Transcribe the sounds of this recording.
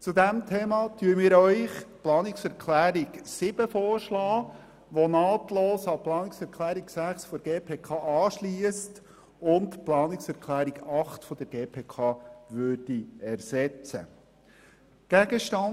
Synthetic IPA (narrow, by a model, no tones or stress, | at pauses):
t͡sud̪æmtʰeːmɑt̪yːəmɪːɾœʏχplɑːnɪksɛɾkʰlæːɾiɡsɪb̥əfɔːrʃlɑː | ʋɔnɑːtloːsɑplɑːnɪksɛɾkʰlæːɾiksæχsfɔɡeːpʰeːkʰɑːʔɑːʃliəst | ʊntplɑːnɪksɛɾkʰlæːɾiɡɑχtfɔd̥̪əɾɡ̥eːpʰeːkʰɑːʋøɾd̥iɛɾsɛt͡sə̰ | ɡ̥æɡəʃtɑn